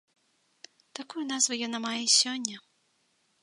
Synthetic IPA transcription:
t̪akujunazvɨjɔnamajɛsʲɔnʲːɐ

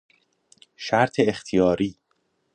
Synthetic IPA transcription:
ʃæɾt̪ʰeːxt̪ʰijɒːɾiː

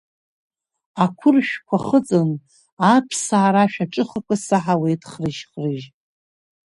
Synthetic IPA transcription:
akʷʰʊrʃᶣkʷʰaχət͡sʼɨn | apʰsaːɾaʃᶣaʈ͡ʂʼɨχakʷʰasaħawejtʰχrɨʃχrɨʒ

